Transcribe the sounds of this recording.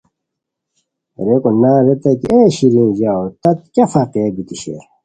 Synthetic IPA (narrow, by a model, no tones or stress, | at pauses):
ɾekonaːɾet̪ek̪ieɕiɾĩːd͡ʑaot̪ɐt̪̚kɐfaqeːbit̪iɕḛɾ